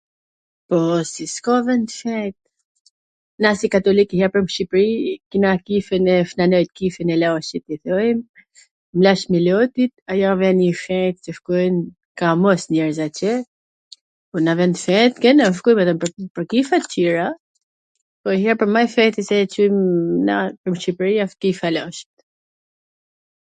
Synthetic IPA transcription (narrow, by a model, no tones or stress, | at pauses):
pɔsiskɔvɛnt̪əfɛjt̪̚ | nasikat̪ɔlikihɛpəmʃipɾikinakifɛnɛfnanɔjt̪̚kifɛnɛlɛɔʃit̪ːiθɔjm | mlaʃmilɔt̪it̪̚ajavɛnifɛjt̪̚t͡ʃəfkujn | kamɔsɲɛɾzacɛ | unavɛnt̪fɛt̪ɡɛnafkujmɛt̪amppəɾkifat̪ciɾa | pɔiɦapəɾmajfɛt̪isɛt͡ʃujmnapəɾmʃipɾiafk̪ifalɔʃi̥t̪